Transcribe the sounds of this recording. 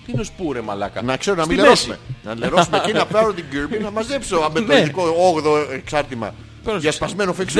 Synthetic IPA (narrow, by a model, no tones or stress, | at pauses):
t̪iineo̞spuɾemɐlɐ̰kɐ̰nɐkse̞ɾonɐmileosumenɐleɾo̞sumeinɐpɐɾot̪iɡiɾbunɐmɐze̞psoɐbet̪oiðikooɣðo̞eksɐɾt̪imɐ̰ | ʝɐspɐzme̞nofiks